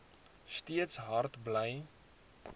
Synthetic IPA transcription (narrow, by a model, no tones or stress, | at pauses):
stiətsɦɐrtbləj